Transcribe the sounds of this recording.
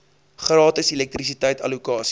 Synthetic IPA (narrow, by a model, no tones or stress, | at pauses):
χrɑːtəsilɛk̚tris̬itəjtɐ̰lukɑːs